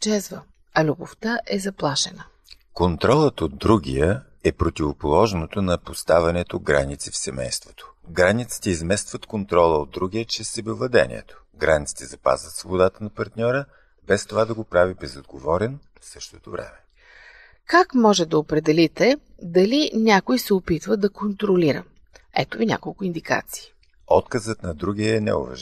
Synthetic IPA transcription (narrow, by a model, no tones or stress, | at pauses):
d͡ʒɛzvə | ɐlʲuboft̪aʔɛzɐplˠaʃɛnə | kont̪ɾɔlˠət̪od̪̚d̪ɾuɡʲijə | ɛpɾot̪ʲivopolˠɔʒnot̪onɐpost̪avɛnɛt̪oɡɾa̰nit̪sifsɛmɛ̰jst̪vo̥t̪ʰo̥ɡɾanit̪sə̥t̪əizmɛst̪vət̪kont̪ɾɔlˠəod̪ɾuɡʲiət͡ʃɾɛsːɛbɛvlˠɐd̪ɛ̰nʲḭɛ̰t̪o̥ | ɡɾanʲit̪si̥t̪ɛzɐpa̰zvət̪svobod̪at̪ənɐpɐɾt̪nʲɔɾə | bɛst̪ovad̪ɐɡopɾavibɛzod̪ɡovɔɾɛn | fsɤʃt̪ot̪ovɾɛ̰mɛ | kakmɔʒɛd̪ɐopɾɛd̪ɛlit̪ɛd̪ɐlinʲakojsɛopit̪vəd̪ɐkont̪ɾoliɾə̰ | ɛ̰t̪ovinʲa̰kolˠkʊind̪ika̰t̪si̥ː | ɔt̪kəzət̪nɐd̪ɾuɡiɛːnɛ̰o̰vɐ̰ʒ